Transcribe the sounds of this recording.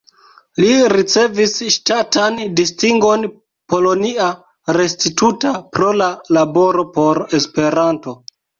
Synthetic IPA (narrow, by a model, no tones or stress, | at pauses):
liɾit͡se̞visʃtatandistiŋɡo̞n | po̞lo̞nia | ɾe̞stitutapɾo̞lalabo̞ɾo̞po̞ɾe̞spe̞ɾanto̞